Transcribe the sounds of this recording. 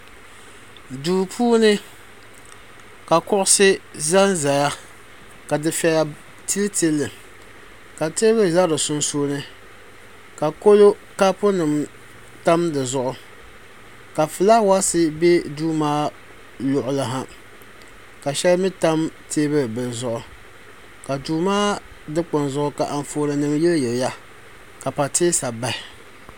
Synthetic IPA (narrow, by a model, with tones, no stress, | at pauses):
duː˨pʰuː˦nɨ˦ | ka˨kʊ˦ʔʊ˦sɪ˦za˦nza˨ja˦ | ka˨dɨ˨fɛ˨la˨ | ti˦lti˦lːɨ˨ | ka˨teː˦bɨ˦˨za˦dɨ˨sʊ˦nsoː˦nɨ˦ | ka˨ko˦lo˦ | ka˦pʊ˦nɨ˨m | ta˦mdɨ˨zʊ˦ʔʊ˦ | ka˨fɨ˨la˦wa˦sɨ˦be˦duː˦maː˦ | lʊ˨ʔʊ˨la˨ɦa˦ | ka˨ʃɛ˦lmɪ˦ta˦mtʰeː˦bɨ˦˨bɨ˨lzʊ˦ʔʊ˨ | ka˨duː˦maː˦ | dɨ˦k͡pʊ˨nzʊ˦ʔʊ˨ka˨ʔa˨ɱ˨foː˨ɾɨ˨nɨ˨mjɛ˦ljɛ˨lja˦ | ka˨pa˨tʰeː˦sa˨ba˦hɪ˨